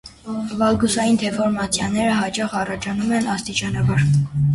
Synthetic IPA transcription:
vɑlɡusɑjind̪ʰɛfɔɾmɑt͡sʰjɑnɛɾəɦɑt͡ʃɑχɑrɑt͡ʃʰɑnumɛnɑst̪it͡ʃɑnɑbɑɾ

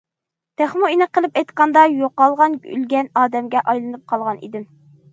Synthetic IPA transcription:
t̪ʰæχmuinɨqəlˠɨpɛjt̪qɑnd̪ɑjoqːɑlˠʁɑnʲy̰lɡʲɛnɑːd̪ɛmɡʲɛʔɑjlˠɨnɨp̚qʰɑlˠʁɑnḭd̪ɪm

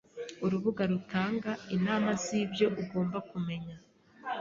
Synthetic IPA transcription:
uɾuβuɡaɾutaːŋɡainaːmazibjo̞ʔuɡo̞ːmbakume̞ɲa

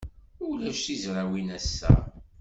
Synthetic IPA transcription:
ʊlæʃizɾawinæsːæ̰

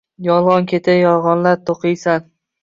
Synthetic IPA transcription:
jɒlˠʁɒnkʲʰe̞t̪ʰajɒlˠʁɒnlaɾt̪ʰoqɨjsan

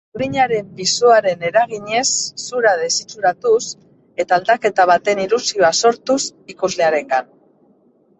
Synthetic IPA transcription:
uɾiɲaɾe̞mbisuaɾe̞ne̞ɾaɣiɲe̞sːuɾaðe̞sit͡suɾat̪us | e̞t̪aːld̪ake̞t̪aβ̞at̪e̞nilusio̞aso̞ɾt̪usikuzle̞aɾe̞ŋɡan

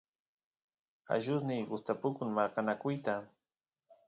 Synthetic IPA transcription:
a̰ʒʊsnɪjɢʊst̪apʊkʊŋmaɾqɑnakʊjt̪a

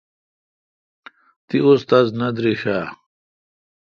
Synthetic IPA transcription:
t̪iust̪aznɐd̪ɾiɕaː

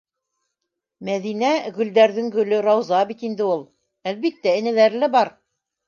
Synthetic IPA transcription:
mæðinæɡɵ̆ld̪æɾðɘŋɡɵ̆lɘɾɑwzɑbit̪ind̪ɘulˠ | ælβit̪ːæɘ̆næ̆læɾlɘbɑɾ

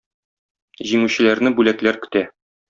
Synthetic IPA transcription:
ʑimʉɕɘ̆læɾnɘbʉlæklæɾkɵ̥̆t̪æ

